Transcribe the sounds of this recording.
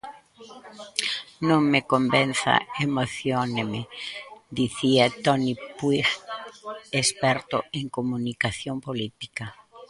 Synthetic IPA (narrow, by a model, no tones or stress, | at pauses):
nõŋmekombenθa̰emoθjonemed̪iθiat̪ɔnipwix | espɛɾt̪oeŋkomunikaθjompolit̪i̥ka